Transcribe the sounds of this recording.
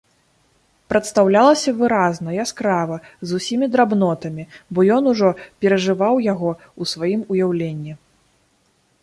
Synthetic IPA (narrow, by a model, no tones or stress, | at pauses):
pɾɐt̪st̪awlʲalˠɐsʲɐvɨɾaznɐjaskɾavɐzusʲimʲid̪ɾabnɔt̪ɐmʲibɔjɔnuʐɔpʲɛɾɐʐɨvawjaɣɔ | usvajimujawlʲenʲːi